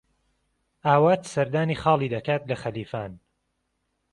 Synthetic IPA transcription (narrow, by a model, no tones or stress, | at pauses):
ʔaːwaːt̪sɐɾd̪aːniːxɑːlˠiːd̪ɐkaːt̪lɐxɐliːfaːn